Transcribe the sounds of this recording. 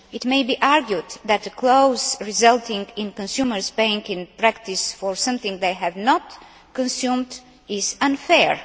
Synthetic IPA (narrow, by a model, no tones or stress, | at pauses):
ɪtmeɪbiʔaɹɡjud̪ðæt̪̚ðəkʰloʊzɹizʌlˠt̪ɪ̃ŋɡɪ̃nkɔ̃nsjuməɹzpeɪɪ̃ŋkɪ̃npɹæktɪsfɔɹsʌ̃mθɪ̃ŋðeɪɦævnɔt | kɔ̃nsjũmd | ɪzʌ̃nfɛɹ